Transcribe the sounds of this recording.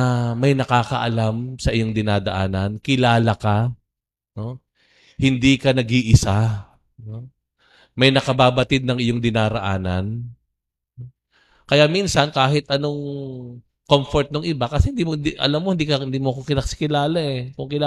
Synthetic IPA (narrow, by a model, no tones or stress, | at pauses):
mɐjnɐkaːkɐʔɐlamsɐʔɪjo̞ŋd̪ɪnaːd̪ɐʔaːnɐnkɪlaːlɐka | no̞ | hɪnd̪iːkɐnɐɡiʔɪsa | no̞ | mɐjnɐkɐbaːbɐt̪ɪd̪̚nɐŋɪjoŋd̪ɪnaːɾɐʔaːnɐn | no | kɐjaminsɐnkaːɦɪt̪ʔɐno̞ŋ | komfoɹt̪̚noŋʔɪbakɐsɛhɪnd̪iːmod̪iʔɐ̰lamːo̞hɪnd̪iːkɐɪnd̪iːmoɐkokɪnɐksɪ̥kɪlaːlaʔɛkoŋkɪla